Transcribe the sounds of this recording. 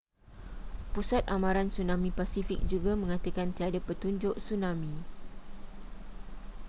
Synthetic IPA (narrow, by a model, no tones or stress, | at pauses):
pusat̪̚amãɾansunãmĩpasifik̚d͡ʒuɡamə̃ŋat̪əkant̪iadapət̪uɲd͡ʒʊʔsunãmĩ